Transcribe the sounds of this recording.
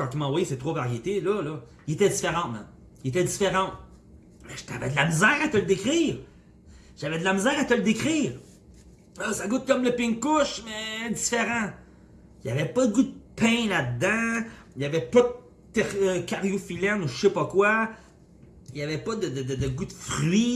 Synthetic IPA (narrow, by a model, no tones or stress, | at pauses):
kɑ̃t̪imɑ̃vwajesɛt̪ʁovaʁjet̪elɔlɔ | jet̪ɛd͡zifeʁɑ̃t̪ma̰m | et̪ɛd͡zzifeʁɑ̃t̪ | mɛʒt̪a̰vɛ̰d̪əlamizjæːʁat̪əld̪ekʁiːʁ | ʒ̥avɛd̪əlamizjæːʁat̪əld̪ekʁiːʁ | ɔsaɡʊt̪̚kɔmləpɪ̃ŋkʊʃmɛd͡zi̥feʁɑ̃ | javɛpɔd̪əɡud̪̚əpʰɛ̃lad̪ːã | javɛpɔd̪ə | t̪ɛʁəkʲaʁjofilɛnuʃepɔkwa | ijavɛpɔd̪əd̪əd̪əd̪əɡud̪fʁɥi